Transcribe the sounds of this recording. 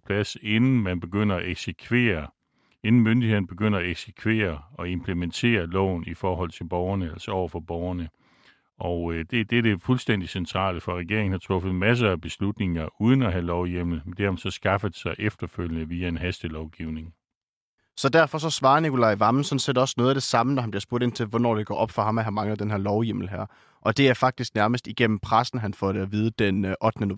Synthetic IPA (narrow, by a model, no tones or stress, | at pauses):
pʰlæse̝nn̩mænb̥e̝ɡ̥øn̰ɐɒeɡ̥sekʰʋe̝̰ːɐ | e̝nn̩mønd̥ihe̝ð̰ˠn̩əb̥e̝ɡ̥øn̰ɐɒeɡ̥sekʰʋe̝̰ːɐɒ̽e̝mpʰlement͡sʰe̝̰ːɐlɒ̰ʊnifɒːɦɒ̽l̰t͡sʰe̝lb̥ɒʊɐnəæl̰sɐɒʊɐfɒ̽b̥ɒʊɐnə | ʔɒ̽ʊd̥e̝d̥eɐd̥e̝fulsd̥en̰d̥isent͡sʰʁɑ̰̈ːləfɒ̽ʁɛɡ̥e̝ɐ̰eŋn̩hɑ̈t͡sʰʁɔ̽fð̞̩ˠmæs̬ɐæb̥e̝slud̥ne̝ŋɐuːð̞ˠn̩ɒɦælɒʊjem̰l̩ˠmd̥e̝msɒ̽sɡ̥ɑ̈fəð̩ˠsɑ̈ɪʔefd̥ɐføljənəʋiæe̝nɦæsd̥əlɒʊɡ̥ḭʊ̰ne̝ŋ | sɒ̽d̥æɐfɒ̽s̬ɒ̽sʋɑ̈ːnikʰo̝lɑ̈ɪʋɑ̈mn̩sɒnsedɒ̽sənoːð̞ˠæd̥e̝sɑ̈mənɒhænb̥iɐsb̥o̝ɐ̰ɾ̥e̝n̰t͡sʰe̝lʋɒnɒ̰ːd̥e̝ɡ̥ɒ̰ːʔɒ̽b̥fɒ̽ɦɑ̈mæhɑ̈mɑ̈ŋləð̩ˠd̥enɦæɐlɒʊjem̰l̩ɦæɐ̰ | ʔɒ̽d̥e̝æɐfɑ̈ɡ̥̚d̥isɡ̥̚næɐməsd̥iɡ̥en̰m̩pʰʁasn̩ɦænfɒːɾ̥əæʋiːð̞ˠəd̥enʔɒ̽d̥nəno